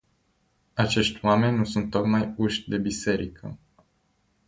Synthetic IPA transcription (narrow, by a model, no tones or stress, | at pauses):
at͡ʃe̞ʃt̪ʲwame̞nʲːusunt̪ːo̞k̪majuʃd̪e̞bise̞ɾikʰə̰